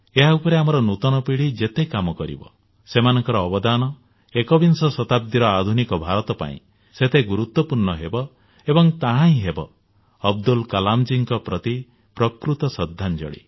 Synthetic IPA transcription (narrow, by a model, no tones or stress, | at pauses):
eɦaupɔɾeamɔɾɔnut̪ɔnɔpiɽid͡ʒet̪ekamɔkɔɾḭbɔ̰ | semanɔŋkɔɾɔːbɔd̪anɔ | ekɔbinsɔsɔt̪ab̚d̪iɾɔad̪ʱunikɔbʱaɾɔt̪ɔpa̰ḭ̃ | set̪ʰeɡuɾut̪wɔpuɾnɔɦebɔ | ebɔŋt̪aɦãĩɦebɔː | b̚d̪ulkalamd͡ʒiŋkɔpɾɔt̪i | pɾɔkɾut̪ɔsɔd̪ʱːand͡ʒɔ̰ɽḭ